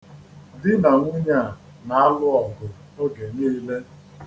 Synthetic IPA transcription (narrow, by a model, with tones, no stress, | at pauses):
dɪ˦na˨ŋʷʊ˦ɲa˦˨ | na˨a˦lʊ˦ɔ˨ɡʊ˨ | no˦ɡe˨niː˦le˦